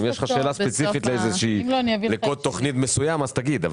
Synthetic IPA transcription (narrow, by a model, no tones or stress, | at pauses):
mjeʃχaʃʃe̞ːlaspet͡siffit̪leejzeʃiːmlonialekolt̪ːo̞χnit̪mesujamazt̪aɡid̪av